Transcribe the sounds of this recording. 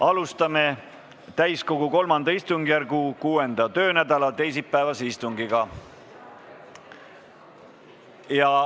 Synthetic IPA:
ɑlust̪ɑme̞ | t̪æjsko̞ɡ̥uko̞lmɑnd̪̥ɑist̪uŋɡ̥ijærɡukuːe̞nd̪̥ɑt̪ø̞ːnæd̪ɑlɑt̪e̞js̬ipːæevɑseist̪uŋɡiɡ̥ɑ | jɑ

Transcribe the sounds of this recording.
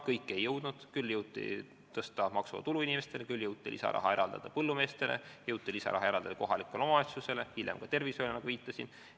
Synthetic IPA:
kɤjkːˑe̞jːɤwd̪̥nud̪̥kylːjɤwt̪ːˑḭ | t̪ɤst̪ɑmɑksuvɑ̰t̪uluinʲime̞st̪e̞lekylːjɤwt̪ːˑilʔḭsɑ̰ɾɑ̰ɦɑe̞ɾɑld̪ɑ̰d̪̥ɑpɤlːume̞ːst̪e̞lḛjɤwt̪ːˑilisɑ̰ɾʔɑ̰ɦɑe̞ɾɑld̪ɑd̪ɑko̞ɦɑlikːˑeleomɑɑt̪sjuse̞le̞hilʲjemɡ̥ɑt̪e̞rvisolʲɑnɑɡ̥uviːt̪ːˑɑsin

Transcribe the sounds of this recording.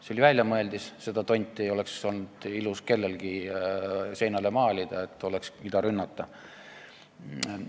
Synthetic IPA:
selivælʲjɑmɤe̞ld̪isse̞d̪̥ɑt̪o̞nʲt̪ʲːˑie̞jo̞le̞kso̞lnud̪̥iluske̞lːe̞lɡ̥i | se̞jnɑlemɑːlʲid̪̥ɑet̪ːˑo̞leksmid̪̥ɑɾynːɑt̪ːˑɑ

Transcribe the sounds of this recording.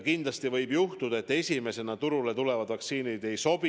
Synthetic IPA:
kind̪̥lɑst̪ivɤjbjuht̪ud̪̥ɑe̞t̪ːˑesʲime̞se̞nɑt̪uɾule̞t̪ule̞vɑd̪vɑkt̪siːnid̪e̞jso̞bi

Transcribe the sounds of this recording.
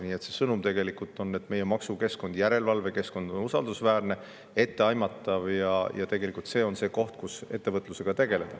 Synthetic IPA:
niːe̞t̪se̞sɤnumt̪e̞ɡe̞likˑult̪ˑːo̞nːe̞t̪me̞jemɑksuke̞sko̞nd̪̥jæɾe̞lvɑlve̞ke̞sko̞nd̪̥o̞nusɑld̪usvæːrne̞ | e̞t̪ːe̞ɑjmɑt̪ːˑɑvjɑjɑ̰t̪e̞ɡe̞likːˑult̪se̞ːo̞nse̞ːko̞ht̪̚kuse̞̰t̪ːe̞vɤt̪ːˑluse̞ɡ̥ɑt̪e̞ɡe̞le̞d̪̥ɑ

